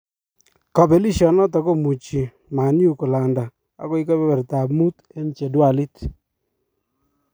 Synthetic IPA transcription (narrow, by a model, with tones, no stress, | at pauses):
kɔ˨pɛ˨li˦ʃɔ˨nɔ˦t̬ɔ˨ko˦mu˨t͡ʃi˨ | ma˨nju˦kɔ˨la˨nda˨ | a̰˨˦kɔ˦i˦kɔ˦bɛ˦bɛ˨ɾta˨mu˦t | e˦n˨t͡ʃe˨dwa˨li˦t